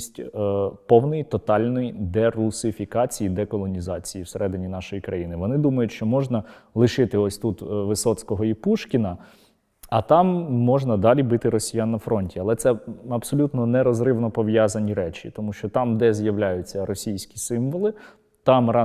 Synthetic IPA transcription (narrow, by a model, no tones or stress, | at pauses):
sʲtʲpɔwnɪjit̪ɔt̪ɑlʲnɔjid̪ɛrusɪfʲikɑt͡sʲijid̪ɛkɔlˠɔnʲizɑt͡sʲijiwseɾʔɛd̪ɪnʲinɑʃɔjikɾɐjinɪʋɔnɪd̪umɐjʊtʲʃt͡ʃɔmɔʒnɐlˠɪʃɪt̪ɪɔsʲt̪ut̪ʋɪsɔt͡sʲkɔɦɔipuʃkʲinɐ | ɐt̪ɑmːɔʒnɐd̪ɑlʲibɪt̪ɪɾɔsʲijanːɐfɾɔnʲtʲiɐlˠɛt̪sɛɐbsɔlʲut̪nɔnɛɾɔzrɪʋnɔpɔʋjazɐnʲiɾɛt͡ʃḭt̪ɔmuʃt͡ʃɔt̪ɑmd̪ɛzʲjɐʋlʲajʊt͡sʲːɐɾɔsʲijsʲkʲi̥sɪmʋɔlˠɪ | t̪ɑmɾɑ